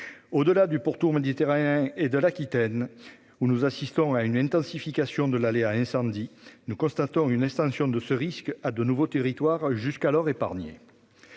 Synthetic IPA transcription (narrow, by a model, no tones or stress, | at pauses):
od̪əlad̪ypuʁt̪uʁmed̪it̪eʁaneɛ̃ed̪əlakʲit̪ɛn | unuzasist̪ɔ̃aynɛ̃nt̪ɑ̃sifikasjɔ̃d̪əlaleaɛ̃sɑ̃d̪inukɔ̃st̪at̪ɔ̃ynɛkst̪ɑ̃sjɔ̃d̪əsəʁiskad̪ənuvot̪eʁit̪waʁʒyskalɔʁepaʁnjḛ